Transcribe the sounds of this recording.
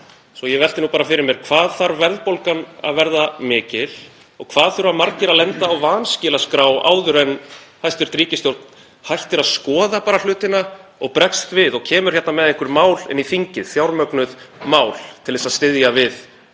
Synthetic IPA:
sɔjɛvɛlt̪ɪnupaːɾafɪɾɪɾmjɛɾ̥kʰvaːðθaɾvɛɾðpowlkana̰ðvɛɾðamɪːcɪl̥ | ɔ̰ɣkʰvaːðθʏɾamaɾcɪɾaðlɛnt̪aːwvaːnscɪːlaskɾaːwa̰ːwðʏɾɛnhajst̪ʏɾ̥t̪ɾiːcɪst̪jowɾt̪n̥ | hajht̪ɪɾaðskɔːðapaːɾal̥ʏːt̪ɪnaɔɣpɾɛkst̪vɪðɔɣcʰɛːmʏɾ̥çɛht̪namɛðeŋkvɪɾmaːwlɛ̰nːifiɲcɪðθjawɾmœknʏðmaːwl̥t̪ʰɪlðɛsaðst̪ɪðjavɪð

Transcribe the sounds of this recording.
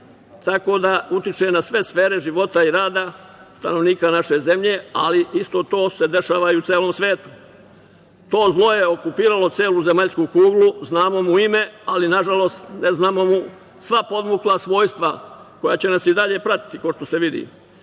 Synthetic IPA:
t̪ako̞ːd̪aut̪it͡ʃe̞nasʋe̞sfe̞ːɾe̞ʒiʋo̞t̪aiɾaːd̪a | st̪a̰no̞ʋniːkanaʃe̞ze̞mʎe̞ːaliʔist̪o̞ːt̪o̞ːse̞d̪e̞ʃaːʋaiut̪seːlˠo̞ːmsʋeːt̪u̥ | t̪o̞ːzlˠo̞je̞o̞kupiːɾalo̞t̪seːluzemaʎskukuːɡluznaːmo̞muime̞alinaʒalo̞st̪neznamo̞mu | sʋapo̞d̪muklˠasʋo̞ːjst̪ʋa | ko̞jaːt͡ɕe̞nasid̪aʎe̞ːpɾat̪i̥t̪ikoʃt̪o̞se̞ʋid̪ḭ

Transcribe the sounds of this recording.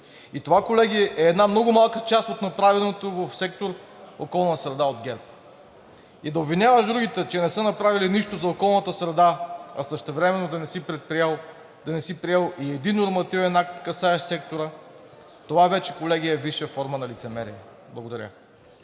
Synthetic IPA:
it̪ovakolɛɡʲiɛʔɛːd̪namnɔɡʊmalˠkət͡ʃast̪ot̪nɐpɾavɛlˠnot̪ovəfsɛk̚t̪oɾ | okɔlˠnəsɾɛd̪aod̪ɡʲɛɾp̚ | id̪ɐobvinʲavəʒd̪ɾuɡʲit̪ɛt͡ʃɛnɛsənɐpɾaviliniʃt̪ozɐokɔlˠnɐt̪əsɾɛd̪aɐsəʃt̪ɛvɾɛmɛnːod̪ɐnɛipɾɛt̪̚pɾiɛlˠ | d̪ɐnɛsipɾiɛlˠiɛd̪inːoɾmɐt̪ivɛnak̚t̪kɐsaɛʃt̪sɛk̚t̪oɾə | t̪ovavɛt͡ʃɛkolɛɡiɛviʃəfɔɾmənɐlit̪sɛmɛɾiɛ | blˠɡod̪ɐɾʲə̰

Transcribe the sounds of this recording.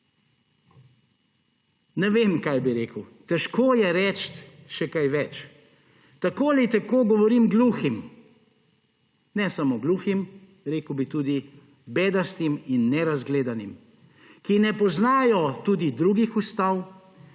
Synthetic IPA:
nɛʋeːmkajbiɾeːkəwt̪ɛʃkoːjɛɾɛt͡ʃt̪ʃɛkajʋɛt͡ʃ | t̪akoːlit̪ɛkoːɡɔʋɔɾimɡluːxim | nɛsamoɡluːxim | ɾeːkwbit̪uːd̪i | beːd̪ast̪iminːɛɾazɡleːd̪anim | kinɛpɔznaːjɔt̪ud̪id̪ɾuːɡixust̪aw

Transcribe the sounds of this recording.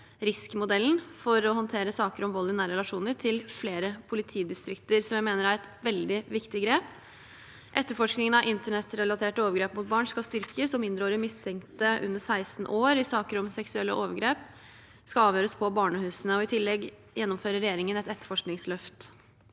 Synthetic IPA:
ɾɪskmʊd̪ɛln̩fɔɾɔɦɔnt̪ʰeːɾəsɑːkəɾɔmʋɔld̪ɪnæːɾəɾɛlɑʂuːnəɾʈʰɪlfleːɾəpʰʊlɪt̪ʰiːd̪ɪst̪ɾɪkt̪əɾsɔmjæɪmeːnəɾæɾɛt̪ʋɛld̪ɪʋɪkt̪ɪɡɾeːp | ʔɛt̪ːəfɔʂknɪŋənɑʋʔɪnt̪əɳɛt̪ɾɛlɑt̪ʰeːʈoːʋəɾɡɾeːpmʊt̪̚bɑːɳskɑst̪ʏɾkəsɔmɪnd̪ɾəoːɾɪmɪst̪ʰɛŋkt̪əʔʉ̰nːəsæɪsn̩ʔoːɾɪsɑːkəɾɔmsɛksʉɛlːə̰ʔoːʋəɾɡɾeːp | skɑɑːʋjøːɾəspʰɔbɑːɳəhʉːsənəɔɪt̪ʰɪlːɛɡ | jɛnːɔmføːɾəɾɛjeːɾɪŋənɛt̪ɛt̪ːə̥fɔʂknɪŋslœft̪

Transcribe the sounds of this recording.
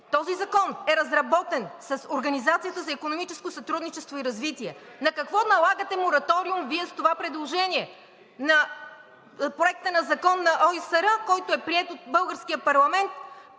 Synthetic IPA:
t̪ɔzizɐkɔnɛɾɐzɾɐbɔt̪ɛnsɐsoɾɡɐnizat̪sijət̪əzɐikonomit͡ʃɛskosɐt̪ɾud̪nit͡ʃɛst̪voiɾɐzvit̪iɛnɐkɐkvɔnɐlˠaɡət̪ɛmoɾɐt̪ɔɾiumviɛst̪ovapɾɛd̪lˠoʒɛnʲiɛ | nɐ | pɾoɛk̚t̪ənɐzɐkɔnːɐʔɔisəɾəkɔjt̪oɛpɾiɛt̪ot̪̚bɤlˠɡəɾsk̟ijəpɐɾlˠɐmɛnt̪

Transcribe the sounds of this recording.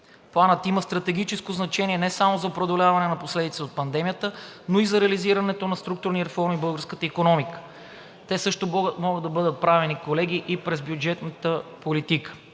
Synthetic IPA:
plˠanət̪imɐst̪ɾɐt̪ɛɡ̟it͡ʃɛskoznɐt͡ʃɛniɛnɛsamozɐopɾɐd̪olʲavɐnɛnɐposlɛd̪it̪sɛot̪̚pɐnd̪ɛmijət̪ənoizɐɾɛɐliziɾɐnɛt̪onɐst̪ɾuk̚t̪ʊɾniɾɛfɔɾmibɤlˠɡəɾskət̪əikonɔmikə̥ | t̪ɛsɤʃt̪omɔɡəd̪ːɐbɤd̪ət̪̚pɾavɛnikolɛɡʲiʔipɾɛzbjud͡ʒɛt̪nət̪əpolit̪ikə̥

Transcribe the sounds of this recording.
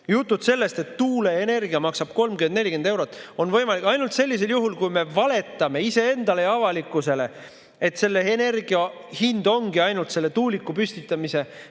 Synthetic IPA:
jut̪ːud̪se̞lːe̞st̪e̞t̪ːuːle̞ːne̞rɡiɑmɑksɑb̥̚ko̞lmɡ̥ymend̪ne̞lʲːikend̪̥e̞wɾot̪ːˑo̞nvɤ̞jmɑlikɑjnult̪se̞lʲːis̬e̞ljuɦulkujme̞vɑle̞t̪ːˑɑme̞ise̞e̞nd̪̥ɑlejɑvɑlikːˑuse̞le̞ | e̞t̪se̞lːe̞ene̞rɡ̥iɑ | hind̪o̞ŋɡ̥iɑjnult̪se̞lːe̞t̪uːlikːˑupysʲt̪it̪ːˑɑmise̞

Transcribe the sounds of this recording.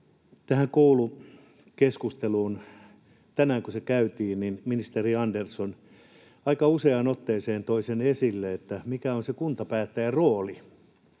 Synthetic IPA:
t̪æhæŋkoulu | keskust̪eluːn | t̪ænæːŋkusekæyt̪iːnninminist̪eriɑnderson | ɑikɑuseɑnot̪ːeːseːnt̪oisenesilːeet̪ːæmikæonsekunt̪ɑpæːt̪ːæjæroːli

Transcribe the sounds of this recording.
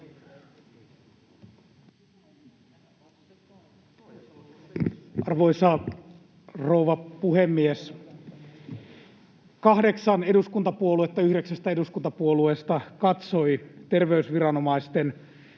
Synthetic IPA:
ʔɑrʋo̞isɑ | rouʋɑpuɦemːies | kɑhde̞ksɑne̞ɾuskunt̪ɑpuoluet̪ːɑyhɾeksæst̪æe̞duskunt̪ɑpuolueːst̪ɑkɑt̪so̞it̪e̞rʋe̞ysʋiɾɑno̞mɑist̪en

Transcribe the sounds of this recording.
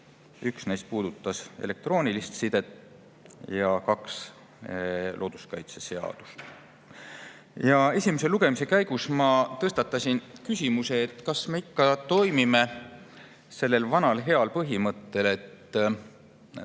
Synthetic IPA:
yksnejst̪̚puːd̪̥ut̪ːɑse̞̰le̞k̚t̪ro̞ːnʲilist̪sid̪̥e̞t̪ːˑ | jɑkɑks | lʔo̞ːd̪̥u̥skɑjt̪sese̞ɑ̰d̪̥u̥st̪ | jɑe̞sʲimese̞luɡe̞mise̞kæjɡ̥usmɑt̪ɤst̪ɑt̪ːˑɑsʲinkysʲimuse̞ːt̪ːˑkɑsme̞ikːɑt̪o̞jmime̞ | se̞lːe̞lvɑnɑlɦe̞ɑlpɤɦimɤt̪ːe̞le̞t̪ː

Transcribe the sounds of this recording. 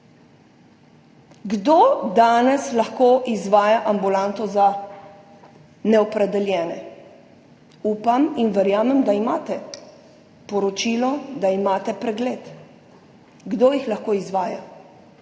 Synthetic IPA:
ɡd̪od̪aːnɛslaxkoːʔizʋaːjaʔambulant̪ɔza | nɛɔpɾɛd̪ɛljɛːnɛ̰ | uːpaminʋɛɾjaːmɛmd̪aimaːt̪ɛ | pɔɾɔt͡ʃiːlɔd̪aimaːt̪ɛpɾɛɡleːt̪ | ɡd̪oːjixlaxkoːizʋaːja

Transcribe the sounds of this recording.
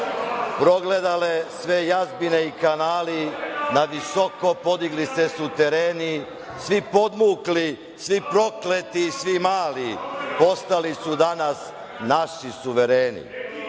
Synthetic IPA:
pɾo̞ɡle̞d̪alesʋejazbineikanaːlinaʋisoko̞po̞d̪iɡlisesut̪e̞ɾeːni | sʋipo̞d̪muːkli | sʋipɾo̞klet̪isʋimaːlipo̞st̪alisud̪anas | naʃisuʋeɾeːnḭ

